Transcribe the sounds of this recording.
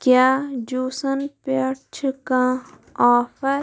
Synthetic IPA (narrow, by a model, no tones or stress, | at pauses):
kjaːd͡ʒuːsɐnpɐt͡ʃʰkã | aːfʰɐɾ